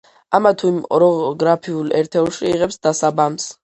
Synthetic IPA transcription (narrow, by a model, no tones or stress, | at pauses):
amat̪ʰuimɔɾɔɡɾapʰiulɛɾt̪ʰɛlˠʃiːʁɛpsd̪asabams